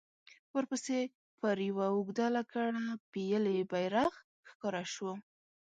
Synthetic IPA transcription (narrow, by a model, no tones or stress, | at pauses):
wəɾpəse | pəɾjawaʊɡd̪alakaɽapijəlebajɾaɣ | xkɑɾaʃwə